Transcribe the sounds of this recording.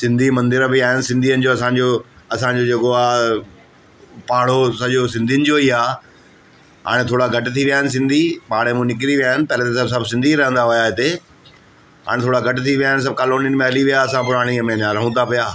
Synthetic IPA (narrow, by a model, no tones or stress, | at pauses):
sɪ̃nd̪ʱimɐ̃nd̪ɪɾbɪaːɦɪnɪ̆sɪ̃nd̪ʱiənɪ̆d͡ʑoːɐsãɲd͡ʑoː | ɐsãɲd͡ʑod͡ʑeːkoaː | paːɽ̤osɐʄosɪ̃nd̪ʱijənɪd͡ʑoiːaː | ɦa̰ːɽ̃ẽt̪ʰoːɽaɡʱɐʈt̪ʰiʋijaːɦɪnɪ̆s̬ɪ̃nd̪ʱiɓaːɽemũnɪkɪɾiʋijaːɦɪnɪpɐlet̪esɐbsɐbʱsɪ̃nd̪ʱiɾɐɦə̃nd̪aɦʊjaɦɪt̪e | ɦa̰ːɽ̃t̪ʰoːɽaɡʱɐʈʊt̪ʰiʋijaːɦɪnɪs̬ɐb̚kaːloːnijənmẽɐliʋijaɐsãpʊɾaːɽ̃imẽɲãɾɐɦũt̪ʰapijaː